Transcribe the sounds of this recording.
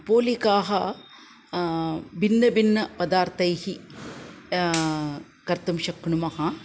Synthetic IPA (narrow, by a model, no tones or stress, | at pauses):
poːlikaːɦɐ | binːɐbinːɐpɐd̪aːɾt̪ɐjhi | kɐɾt̪ɐmʃɐkɳumɐhɐ